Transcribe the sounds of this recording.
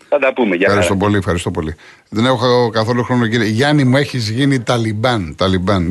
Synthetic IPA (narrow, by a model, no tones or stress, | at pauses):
ɐd̪ɐpumeʝɐɐɾisst̪o̞po̞liefxɐɾist̪o̞po̞li | ðenexɐkɐθo̞luxɾo̞nociɾieʝɐnimue̞çizʝinit̪ɐlibɐnt̪ɐlibɐn